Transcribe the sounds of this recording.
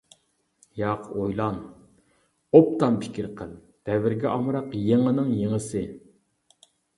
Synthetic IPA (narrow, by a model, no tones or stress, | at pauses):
jɑqʰojlˠɑn | op̚t̪ɑmpʰɪ̥kʲiɾqʰəlˠ | d̪̥ɛvɪɾɡʲɛʔɑmɾɑqjeŋənɨŋjeŋəsɨ